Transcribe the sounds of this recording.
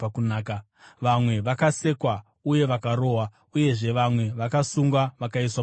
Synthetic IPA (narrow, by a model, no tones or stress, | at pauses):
akunaːka | ʋamwe̞ʋakase̞kwa | uje̞ʋakaɾo̞ːɦwa | uje̞ʐe̞ʋamwe̞ʋakasuŋɡwaʋakaiswa